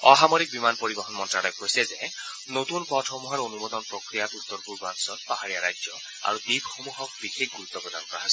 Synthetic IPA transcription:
ɔɦamɔɾik̚bimanpoɾibɔɦɔnmɔntɹalɔjkojsɛze | not̪unpɔtʰɔmuɦaɹonumɔd̪ɔnpɹokɾijat̪ut̪ːɔɾpuɾbansɔt̪paɦaɾijaɾajd͡ʒjɔ | a̰ɹud̪ibxomuɦɔk̚bixʰekʰɡuɾut̪ːɔpɹɔd̪ankɔɹaɦasɛ

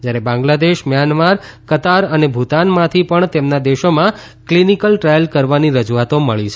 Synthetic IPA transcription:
d͡ʒjaɾebãŋɡlad̪eʃmjanmaɾkət̪aɾənebʱut̪anmãt̪ʰipəɳt̪emnad̪eʃomã | klinikəlʈɾajəlkəɾʋaniɾəd͡ʒuat̪oməɭit͡ʃʰe

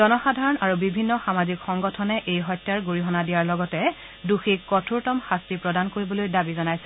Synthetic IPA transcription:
zɔnɔxadʱaɹɔnaɹubibʱinːɔxamazikxɔŋɡɔtʰɔnɛʔejɦɔjtːaɹɡuɹiɦɔnadijaɹlɔɡɔtɛ | duxikːɔtʰuɹtɔmxastipɹɔdankoɹibɔlojdabizɔnajsɛ̥

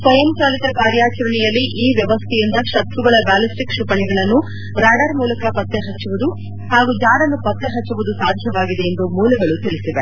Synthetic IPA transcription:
sɐjɐmt͡ʃaːlit̪ɐkaːɾjaːt͡ʃɐɾɐɳijɐlːiʔiːʋjɐʋɐst̪ʰɛjind̪ɐʃɐt̪ɾuɡɐɭɐbaːlisʈikʂupɐɳiɡɐɭɐnːu | ɾaːɖɐɾmuːlɐkɐpɐt̪ːeɦɐt͡ʃːuʋud̪u | haːɡud͡ʒaːɽɐnːupɐt̪ːeɦɐt͡ʃːuʋud̪usaːd̪ʱjɐʋaːɡid̪e̞ːnd̪umuːlɐɡɐɭut̪iɭisiʋe

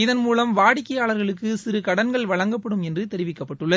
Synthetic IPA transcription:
ɪðɐnmuːlɐmʋaːɽɪkːɐjaːɭɐɾɣɐɭɯkːɯsɪɾɯkɐɽɐnɡɐɭʋɐɻɐŋɡɐpːɐɽɯmɛndrɯt̪ɛɾɪʋɪkːɐpːɐʈːɯɭːɐ

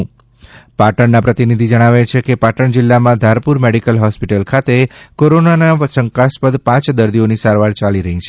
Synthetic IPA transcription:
paʈəɳnapɾət̪inid̪ʱid͡ʒəɽ̃aʋet͡ʃʰekepaʈəɳd͡ʒɪlːamãd̪ʱaɾpuɾmeɽikəlɦɔspiʈəlkʰat̪ekoɾonanasəŋkaspəd̪pãt͡ʃd̪əɾd̪ionisaɾʋaɾt͡ʃaliɾəɦĩt͡ʃʰe

